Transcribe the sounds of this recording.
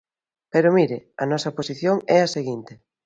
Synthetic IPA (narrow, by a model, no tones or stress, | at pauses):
peɾʊmiɾɪɐnɔsɐposiθjoŋɛɐseɣint̪ɪ